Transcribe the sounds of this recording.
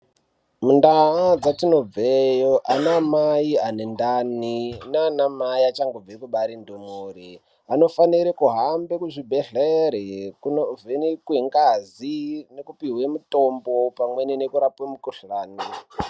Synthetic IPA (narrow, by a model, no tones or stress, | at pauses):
mundaad͡zatino̞b͡vejoʔanamaianendaninaːnamaiat͡ʃaŋɡob͡vekuɓaɾindumuri | ano̞faniɾekuɦambekuʐibʱeɮeɾekunovenikueŋɡazinekupiɦwemutombo̞pamwe̞ninekuɾapwemukuɬaːni